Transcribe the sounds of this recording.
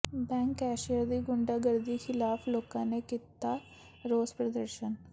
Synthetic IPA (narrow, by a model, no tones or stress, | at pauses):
bɛ̃ːŋkɛːʃijəɾd̪iːɡʊɳɖaːɡəɾd̪iːxɪlaːpʰloːkãːnekit̪aː | ɾoːspɾəd̪əɾʃən